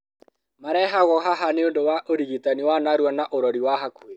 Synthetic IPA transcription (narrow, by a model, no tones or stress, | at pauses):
maɾɛɦaɣɔɦaɦaneondowaʔoɾiɣitaniwanaɾuanaʔoɾɔɾiwaɦakue